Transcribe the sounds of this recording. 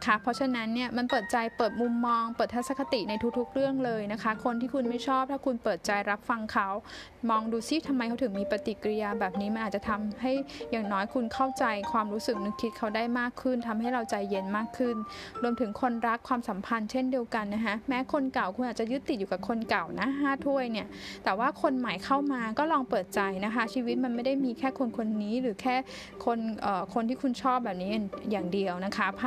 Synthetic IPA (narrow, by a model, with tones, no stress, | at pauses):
kʰa˦˥pʰɔ˦˥t͡ɕʰa˧na˦˥nːi˥˩ɐma˧npɤː˨˩t̪̚t͡ɕa˧jpɤː˨˩t̪̚mu˧mːɔː˧ŋpɤː˨˩t̪ʰːa˦˥sa˧˦˥kʰa˧t̪i˨˩na˧jt̪ʰu˦k̚t̪ʰu˦˥k̚ɾɯ˥˩əŋlɤː˧jna˦˥kʰa˦˥kʰo˧nt̪ʰiː˥˩kʰu˧nma˥˩jt͡ɕʰɔː˥˩p̚t̪ʰɛː˦˥kʰu˧npɤː˨˩t̪̚t͡ɕa˧jɾa˦˥p̚fa˧ŋkʰa˦˥w | mɔː˧ŋduː˧si˥˩t̪ʰa˧mːa˧jkʰa˦˥wt̪ʰɯ˩˦miː˧pa˧t̪i˨˩kɾi˧jaː˧bɛː˨˩p̚niː˦˥ma˧nʔ̪̚ːt͡ɕa˨t̪ʰa˧mha˥˩jːaː˨˩ŋnɔː˦˥jkʰu˧nkʰa˥˩wt͡ɕa˧jkʰwaː˧mɾuː˦˥sɯ˨˩k̚nɯ˨˧kʰi˦˥t̪̚kʰa˦˥wdaː˥˩jmaː˥˩kʰːɯ˥˩nt̪ʰa˧mɦa˥˩jɾa˧wt͡ɕa˧jːe˦˥nmaː˥˩kʰːɯ˥˩nɾu˧əmt̪ʰɯ˩˦ŋkʰo˧nɾa˦˥kʰːwaː˧msa˨˩˦mpʰa˧nt͡ɕʰe˥˩ndi˧əwka˧nːa˦˥kʰa˦˥mɛː˦˥kʰo˧nka˨˩wkʰu˧naː˨˩t͡ɕa˨˩jɯ˦˥t̪ːi˨˩u˨˩ka˨˩kʰo˧nka˨˩wna˦˥ɦaː˥˩t̪ʰu˥˩əjni˥˩ətt̪ɛː˨˩waː˥˩kʰo˧nma˨˩˦jkʰa˥˩wmaː˧kɔː˥˩lɔː˧ŋpɤː˨˩t̪̚t͡ɕa˧jna˦˥kʰa˦˥t͡ɕʰiː˧wi˦˥t̪̚ma˧nma˥˩jda˥˩jmiː˧kʰɛː˥˩kʰo˧nkʰo˧nːiː˦˥ɾɯː˩˦kʰɛː˥˩ | kʰo˧nʔəː˨˩kʰo˧nt̪ʰiː˥˩kʰu˧nt͡ɕʰɔː˥˩p̚bɛː˨˩p̚niː˦˥ʔa˨˩ŋjaː˨˩ŋdi˧əwna˦˥kʰa˦˥pʰ